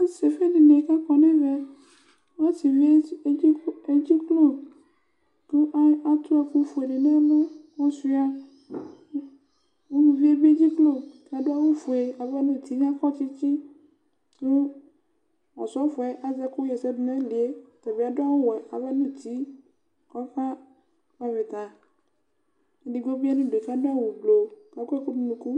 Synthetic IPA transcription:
a˦se˨fe˦ni˨ne˨ka˦kɔ˨nɛ̃˦vɛ˦ | wɔ˦ti˨vi˦ | e˦d͡ʑi˦klo˦ | ku˦ʔa˦a˦t̪u˦a˨ku˦fo˨e˨ɖe˨nɛ̃˦mẽ˦wɔ˦su˦a˦ | wo˦nũ˨vi˦e˦be˦d͡ʑi˦klo˦˨ka˨do˦a˦wo˦fo˨e˨a˨bɛ˦nũ˦t̪i˦ɲ˦a˦kɔ˦t͡ʃi˦t͡ɕi˦ | nũ˦ | ɔ̰˨sɔ˦fɔ˨ɛ˦ʔa˦˨zɛ˦ku˦jɛ˨sɛ˦du˦nɛ̃˦li˨e˦t̪ɔ˨be˨˦˨a˨ɖo˦a˦wo˦wɛ˨a̰˨vɛ˦nũ˦t̪i˨˦ | kɔ˦ɸã˦ | ka˦ve˨t̪a˨ | nẽ˨˦ɖi˨ɡɔ˦bi˦a˦nũ˦ɖe˨ka˦do˦a˦wu˨blo˨ka˨ku˦ɛ˦ku˦nũ˦mũ˨ku˦

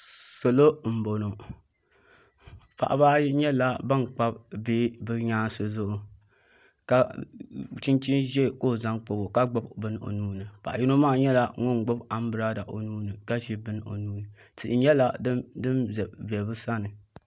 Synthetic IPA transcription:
so˨lo˦m̩˨bo˨no˨ | pa̰˨ʔa̰˨ba˦ɲɛ˦la˦ba˦ŋk͡pa˦b̚beː˦bɨ˦ɲaː˦sɨ˨zʊ˦ʔo˨ | ka˨ | t͡ʃi˦nt͡ʃi˦nʒɛ˦˨ko˦˨za˦ŋk͡po˨bo˨ka˦ɡ͡ba˦bbɨ˦n˦o̰˨nuː˦nɨ˨pa̰˨ʔa˨ji˦no˦maː˦˨ɲɛ˦la˦ŋo˦ŋ˨ɡ͡bʊ˦ba˦m˦bɨ˦ɾa˦da˨ʔo˨nuː˦nɨ˨ka˦ʒi˦bɨ˦n˦o̰˨nuː˦nɨ˨ | tɨ˨ɲɛ˦la˦dɨ˦mzɛ˨bɛ˨bɨ˦sa˦nɨ˨

